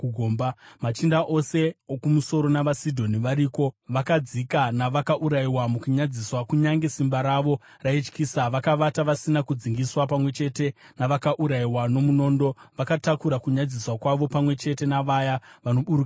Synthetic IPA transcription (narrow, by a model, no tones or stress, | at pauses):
ɡʱoːmbamat͡ʃindaʔo̞se̞okumuso̞ɾo̞naʋasidʱo̞niʋaɾiːko̞ʋakad͡zikanaʋakaʔuɾaiwamukuɲad͡ziswakuɲaŋɡe̞simbaɾaʋo̞ | rait͡ʃkiːsaʋakaʋataʋasinakud͡ziŋɡiswap̬amwe̞t͡ʃe̞te̞naʋakaʔuɾaiwano̞muno̞ːndo̞ʋakatakuɾakuɲad͡ziswakwaʋo̞pamwe̞t͡ʃe̞te̞naʋajaʋano̞ɓuɾuka